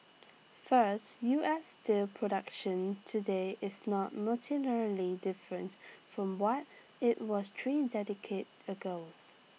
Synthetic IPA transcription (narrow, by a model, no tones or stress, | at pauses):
fəstjuʔɛsdepʰɹɔdʌkʃə̃ntʰudeʔɪsnɔt̚mətʰinɛɹlidɪfɹə̃ntfɹɔ̃mwɔt | ɪt̚wɔstʰɹidɛdɪkʰet | əɡoʊs